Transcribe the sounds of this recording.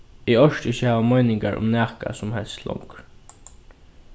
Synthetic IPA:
ɪɔʃʈɪçəhɛːʋamɔjnɪŋkaɹʔʊ̰mnæːka̰sʊmhɛlst̪lɔ̰wŋkɾ

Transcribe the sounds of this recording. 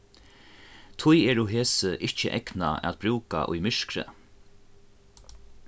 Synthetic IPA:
t̪ʰʊjɛːɾʊɦeːsəʔɪht͡ʃəʔɛkna̰ɛ̰a̰t̪̚b̥ɾuːka̰ʔʊ̰jmɪʂkɾə̰

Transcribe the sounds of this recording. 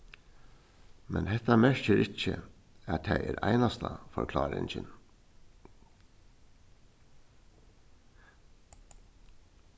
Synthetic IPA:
mʔɛnhɛt̪ɑmæçəɾɪc͡çə | æːt̪ʰæɪʔeːɾʔæɪnɑst̪ʰɑfɔɾkʰlɑːɾɪŋçən

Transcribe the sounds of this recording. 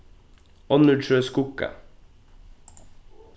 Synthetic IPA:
ɔnʉɖʃøːskʊkə̰

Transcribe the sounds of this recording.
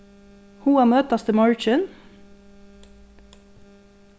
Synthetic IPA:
huːæːmœːt̪ɑst̪əmɑɹt͡ʃən

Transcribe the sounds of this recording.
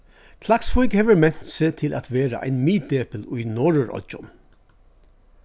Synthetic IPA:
kʰlaksfɔʏkhɛːʋəɹmɛn̥t̪seːt̪ʰɪlʔa̰t̪ʋeːɾa̰ʔæ̰ɪnmiːd̪eːpəlʉjnɔɹəɹɔ̰ʊ̰n

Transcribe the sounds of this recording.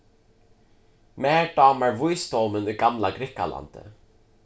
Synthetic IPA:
mæːɖɑːmæɹvʊjst̪ɔːmənɪɡ̥amlaɡɾɪka̰la̰nd̪̥ə̰

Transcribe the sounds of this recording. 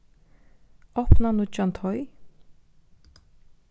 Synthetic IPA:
ɔpʰnanut͡ʃant̪ʰɔj

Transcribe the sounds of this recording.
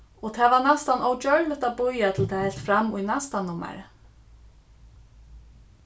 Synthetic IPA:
ɔt̪ʰaːʋanast̪anɔwt͡ʃœɹvɪt̪abʊjat̪ʰɪlt̪ʰɛːhɛl̥t̪fɾamʊjnast̪anʊmːa̰ɾ̰

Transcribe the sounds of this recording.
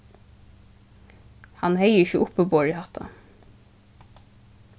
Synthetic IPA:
hɑnheɪəɪçəʔʊpːəboːɹiːhɑt̪ʰɑ̰

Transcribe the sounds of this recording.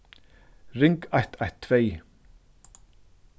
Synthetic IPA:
rɪŋkajht̪ʰajht̪ʰːvej

